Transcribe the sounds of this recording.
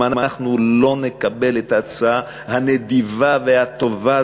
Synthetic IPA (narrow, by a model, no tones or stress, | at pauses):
anmaχnulo̞nekabe̞letat͡saa | haned̪ivavehat̪o̞va